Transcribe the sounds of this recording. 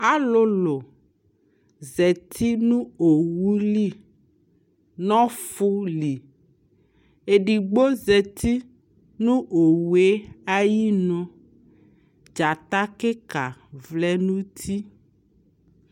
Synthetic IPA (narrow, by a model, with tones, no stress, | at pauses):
a˦lo˦lo˨ | zɛ˨t̪ʰi˦nũ˦o˨wu˦li˦ | nɔ̃˦fu˦li˨ | e˨ɖi˨ɡ͡bo˦zɛ˨t̪i˦ | nũ˦ʔo˨wu˨e˦a˦ji˦nɔ̃˦ | d͡ʒa˨t̪a˦ke˦ka˨vlɛ˦nũ˦t̪ʰi˦